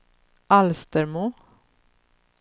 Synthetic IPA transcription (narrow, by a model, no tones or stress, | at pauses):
ʔalst̪əɾmuː